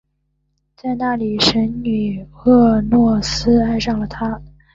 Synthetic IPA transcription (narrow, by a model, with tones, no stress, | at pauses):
t͡sa˥˧ɪna˥˩li˨˩ʂə˧˥nny˨˩ɤ˥˧nwɔ˥˩sɹ̩˥a˥˧ɪʂɑ˥˩ŋlə˩t̪ʰa˥